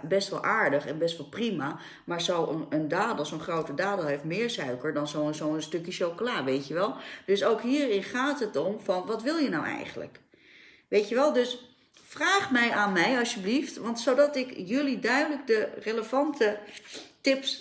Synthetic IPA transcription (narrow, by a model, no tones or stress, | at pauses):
bɛstʋɑ̰lˠʔaːɹdəχɛnbɛstʋɑlˠprima | maːɹzowənəndaːdəl̩ˠsoənχrowtədaːdəlˠɦejftmɪːɹsœɥkəɹdɑnzowənzowənstɵkjəʃowkolaːʋejtjəʋɛlˠd̥ɵsowkɦiːrɪnχaːtɦətɔmvɑnʋɑtʋɪlˠjənawɛ̰jχənlə̰k | ʋejtəʋɛlˠdɵs | fraːχmɛjʔaːnmɛjɑlˠsəbliftʋɑntsowdɑtɪkjɵlidœɥdələk̚dəreləvɑntətɪps